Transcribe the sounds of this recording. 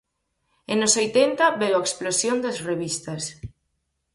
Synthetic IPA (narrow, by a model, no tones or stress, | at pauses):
enʊsojt̪ent̪ɐbewaeksplosjond̪ɐsreβist̪ɐs